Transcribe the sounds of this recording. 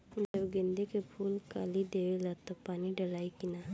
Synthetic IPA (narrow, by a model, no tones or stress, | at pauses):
d͡ʒəɡẽːnd̪ekepʰuːlka̰ːlid̪eːʋelat̪opaːniɖəlaːikɪna